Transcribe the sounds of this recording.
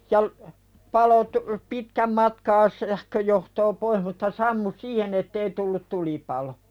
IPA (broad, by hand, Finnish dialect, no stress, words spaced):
jɑ l pɑlo tu pitkæm mɑtkɑː sæhkøjohtoː poih mutːɑ sɑmːu siːhen etːei tulːut tulipɑlo